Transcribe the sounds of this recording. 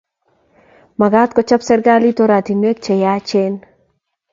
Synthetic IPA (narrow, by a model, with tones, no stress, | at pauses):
ma˨ɡa˦t̪kɔt͡ʃa˦psɛ˦ɾɡa˦lit̪oɾa˨t̪i˨nwe˦k̚t͡ʃɛ˨ja˦t͡ʃen